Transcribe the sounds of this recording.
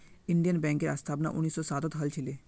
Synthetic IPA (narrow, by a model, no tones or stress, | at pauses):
ɪɳɖijənbɛ̃ːŋkeɾa̰ːst̪ʰaːbna̰ʔʊnːiːsɔːsaːt̪ət̪ʰɦɐlt͡ʃʰɪleː